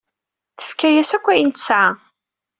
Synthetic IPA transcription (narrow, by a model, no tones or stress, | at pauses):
θə̥fkæjæsækʷːæjənt̪əsʕa